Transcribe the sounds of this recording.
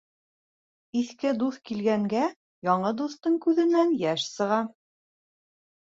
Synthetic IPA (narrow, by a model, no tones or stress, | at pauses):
iθkɘd̪uθkilɡæŋɡæ | jɒɴɤd̪uθt̪ɤɴkʉðɘ̆nænjæʃsɤ̆ʁɑ